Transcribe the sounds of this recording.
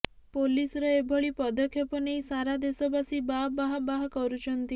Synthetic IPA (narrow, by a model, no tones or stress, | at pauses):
polisɔɾɔebʱɔɭipɔd̪ɔkʰjɔpɔneisaɾad̪esɔbasibabaɦɔbaɦɔkɔɾut͡ʃʰɔnt̪i